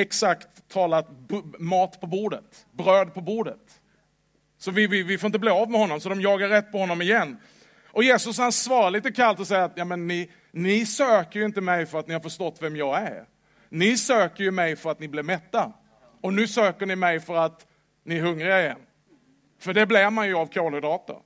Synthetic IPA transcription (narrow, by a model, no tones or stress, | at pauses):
ɛksakt̪ʰːɑːlat̪bmɑːt̪pʰɔbuːɖət̪ | bɾøːd̪̚pʰɔbuːɖət̪ | sɔvɪvɪvɪfoɾɪnt̪əbleːavmɛhɔnːɔmsɔd̪ɔmjɑːɡaɾːɛt̪ːpʰɔhɔnːɔmɪjɛnː | ʔɔjeːsɵs̬hansvɑːɾaliːt̪əkʰalt̪ɔsɛjːaat̪jɑːmɛnːɪ | nɪsøːkəɾjɪnt̪əmɛjfœɾat̪nɪhaɾfəʂt̪ɔt̪ːvɛmjɑːæɾ | nɪsøːkəɾjɵmɛjfœɾat̪nɪblɪvmɛt̪ːa | ɔnʉ̟ːsøːkəɳɪmɛjfœɾat̪ | nɪæɾɦɵŋːɾɪaɪjɛnː | fœɖɛblɛɾmanjɵavkʰoːlʊd̪ɑːt̪a̰